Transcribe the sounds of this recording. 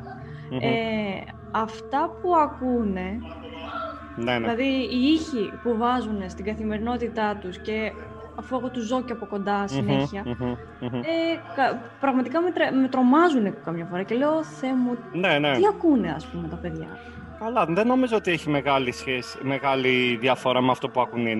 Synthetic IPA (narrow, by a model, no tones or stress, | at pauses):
e | ɐft̪ɐpuɐkune̞ | nenlɐðiːiçipuvɐzune̞st̪iɡɐθime̞ɾino̞t̪it̪ɐt̪usce̞ | ɐfue̞ɣo̞t̪uzo̞ceɐpoko̞nd̪ɐsine̞çiɐ | ekɐ | pɾɐɣmɐt̪ikɐmet̪ɾeme̞t̪ɾo̞mɐzunekokɐmɲɐfoɾɐce̞le̞o̞θe̞muneneiɐkune̞ɐ̰spumet̪ɐpe̞ðʝɐ̰ | kɐlɐðeno̞mizoot̪ieçimeɣɐlisçesi̥meɣɐliðjɐfo̞ɾɐmeɐft̪opuɐkunin